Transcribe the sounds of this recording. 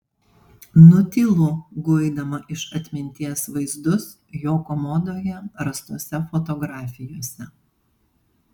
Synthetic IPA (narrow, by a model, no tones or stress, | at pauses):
nʊt̪ʲɪlˠuɡʊɪd̪ɐmɐʔɪʃɐt̪ʲmʲɪnʲt̪ʲiɛsʋɐɪzd̪ʊs | joːkɔmɔd̪oːjɛɾɐst̪uɔsʲɛfɔt̪ɔɡɾɑːfʲɪjoːsʲɛ